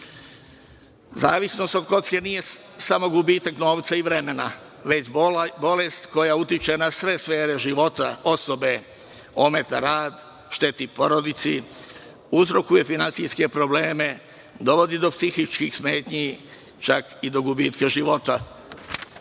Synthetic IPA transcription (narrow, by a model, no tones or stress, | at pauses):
zaːʋisno̞st̪o̞d̪ko̞t̪ske̞nije̞ | samo̞ɡubiːt̪akno̞ːʋt̪saiʋɾe̞me̞na | ʋe̞t͡ɕbo̞le̞st̪ko̞jaut̪it͡ʃe̞nasʋe̞sʋe̞ːɾe̞ʒiʋo̞t̪a̰o̞so̞be̞ | o̞me̞t̪aɾaːd̪ | ʃt̪e̞t̪ipo̞ɾod̪it̪si | uzɾo̞kuje̞finant̪sijske̞pɾo̞bleːme̞ | d̪o̞ʋo̞d̪id̪o̞psixit͡ʃkixsmeːt̪ɲi | t͡ʃakid̪o̞ɡubiːt̪keʒiʋo̞t̪a